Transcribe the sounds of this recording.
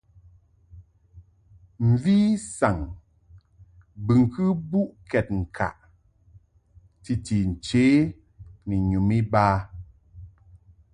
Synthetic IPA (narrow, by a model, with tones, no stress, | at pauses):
m̩˨vi˦sa˨ŋ | bɨ˨ŋ˨kʰɨ˦bu˦ʔkʰɛ˨t̚ŋ̩˨kʰa̰˨ʔ | ti˨ti˨n̩˨t͡ʃeː˨˦ | ni˨ɲu˨mi˦baː˦